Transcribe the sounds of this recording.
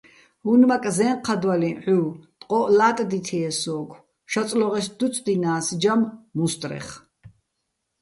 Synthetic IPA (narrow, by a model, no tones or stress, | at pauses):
hunmakʼzɛːɴqʰad̪waliʕuːt̪ʼqʼɔʔlaːt̪ʼd̪it̪ʰɛɛsɔːkʰ | ʃat͡sʼlɔʁɛsd̪ut͡sʼd̪inaːsd͡ʒammust̪ʼɾɛ̰χ